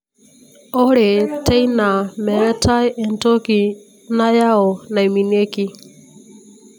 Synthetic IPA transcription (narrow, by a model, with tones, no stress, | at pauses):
ɔ˦ɺɛ˨tʰɛ˦jna˨mɛ˨ɾɛ˦tʰa˦jʔɛ˨ntɔ˦ki˨ | na˦ja˦ɔ˨na˨i˨mi˨ne˦ki˨